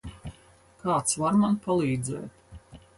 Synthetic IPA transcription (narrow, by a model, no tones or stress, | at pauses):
kaːt̪svaɾmanpalˠiːd̪zɛ̰ːt̪